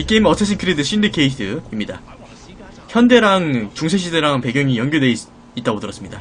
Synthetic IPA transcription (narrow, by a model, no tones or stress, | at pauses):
ik͈e̞imʌt͡ɕ͈ʰʌs̬ʰɯnkʰɯɾedɯɕ͈ʰindekeidɯimɲida | çjʌnde̞ɾaŋt͡ɕuŋsʰeɕ̬ʰideɾaŋpe̞ɡjʌŋijʌŋɡjode̞ | it͈aɡotɯɾʌs͈ɯmɲida